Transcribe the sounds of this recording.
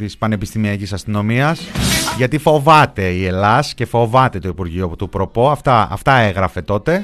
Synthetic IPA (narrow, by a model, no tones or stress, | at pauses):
t̪ispɐne̞pist̪imiɐcisɐst̪ino̞miɐsʝɐt̪ifo̞vɐt̪e̞ie̞lɐsce̞fo̞vɐt̪e̞t̪o̞ipuɾʝiot̪upɾo̞po̞ɐft̪ɐɐ̰ft̪ɐeɣɾɐfe̞t̪o̞t̪e̞